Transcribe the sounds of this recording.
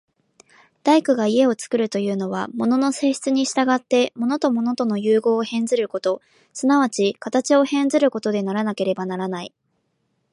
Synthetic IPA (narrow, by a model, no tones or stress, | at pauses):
d̪̥aikɯ̟ɡaie̞o̞t͡sɨ̥kɯ̟ɾɯ̟t̪o̞jɯ̟ːno̞β̞amo̞no̞no̞se̞ːɕi̥t͡sɨɲ̟iɕi̥t̪aɡat̪ːe̞mo̞not̪o̞mo̞no̞t̪o̞no̞jɯ̟ːɡo̞ːhẽ̞nd͡zɨɾɯ̟ko̞t̪o̞ | sɨnaβ̞at͡ɕikat̪at͡ɕio̞hẽ̞nzɨɾɯ̟ko̞t̪o̞d̪e̞naɾanake̞ɾe̞banaɾanai